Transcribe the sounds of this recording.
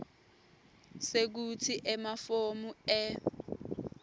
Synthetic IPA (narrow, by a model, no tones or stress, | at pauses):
sek̬ut͡sʰiʔɛmafomuɛ